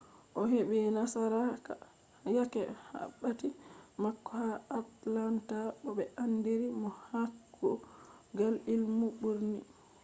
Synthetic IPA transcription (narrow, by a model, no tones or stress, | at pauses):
ʔɔɦebɛnasaɾaka | jakɛ̰ha̰bːatimakːɔhaatlantaɓɔbɛandiɾimɔhakʰːɔɡalilmuɓuɾnḭ